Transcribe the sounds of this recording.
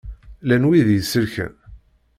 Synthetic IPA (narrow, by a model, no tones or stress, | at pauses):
lænwiðjəsəɾçə̰n